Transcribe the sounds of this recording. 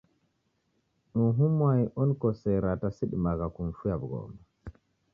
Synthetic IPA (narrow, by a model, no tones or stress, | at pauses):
nɔɦumwajʔɔnkɔsɛɾatasiɗmaɡakunfujabɡɔ̰ːma